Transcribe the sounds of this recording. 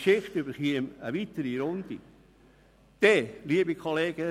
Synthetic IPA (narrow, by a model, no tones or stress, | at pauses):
ʃɪχtybəɾχiəməʋit̪əɾiɾʊnd̪ḭ | d̪̥ɛliəbikʰoleːɡ̥ə